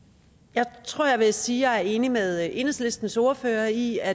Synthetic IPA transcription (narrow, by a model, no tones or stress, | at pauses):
jɑ̈ɪt͡sʰʁo̝ɐ̰jɑ̈ɪʋe̝siːjɑ̈ɪæɐe̝ːnimeðˠʔe̝nəsle̝sd̥n̩sɔɐføːɐiæ